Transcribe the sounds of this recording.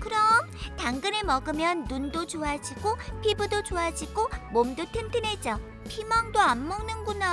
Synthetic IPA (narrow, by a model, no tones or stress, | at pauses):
kɯɾʌm | taŋɡɯnemʌɡɯmjʌnːundot͡ɕoad͡ʑiɡopʰibɯdot͡ɕoad͡ʑiɡomomdotʰɯntʰɯnet͡ɕ͈ʌ | pʰimaŋdoamːʌŋnɯnɡuna